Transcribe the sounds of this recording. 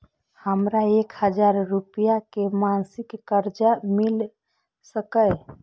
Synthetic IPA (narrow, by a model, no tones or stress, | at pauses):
həmɾaekhəd͡ʒaɾːupijakemansɪkːəɾd͡ʒamil | səkəj